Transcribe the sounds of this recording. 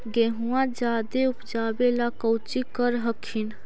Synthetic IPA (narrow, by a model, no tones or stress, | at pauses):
ɡeɦũãd͡ʒad̪eupd͡ʒabelakəwt͡ʃikəɾɦəkʰin